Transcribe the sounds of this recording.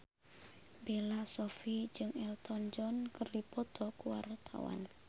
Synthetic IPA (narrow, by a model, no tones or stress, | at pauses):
belasɔfid͡ʒɨŋɛlt̪ʰɔnd͡ʒɔnkərdipɔt̪ʰɔkuwa̰rt̪ʰa̰wa̰n